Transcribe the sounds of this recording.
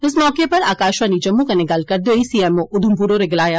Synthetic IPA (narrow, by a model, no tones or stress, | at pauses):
ɪs̬mɔːkepɐɾaːkaːʃʋaːnid͡ʒɐmːukanɪɡalkɐɾd̪oːisiːɛmoʔʊd̪ʱumpuɾoɾeɡɪlaːja